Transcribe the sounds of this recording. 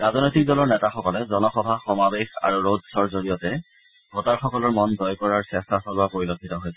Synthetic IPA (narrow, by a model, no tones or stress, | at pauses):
ɹaznojtik̚dɔlɔɹnɛtaxɔkɔlɛzɔnɔxɔbʱaxɔmabexa̰ɹuɹodsɔɹzoɹijɔtɛ | ɡʱotaɹxɔkɔlɔɹmɔnzɔjkɔɹaɹsɛstasɔlʊwapoɹilokʰːitɔɦojsɛ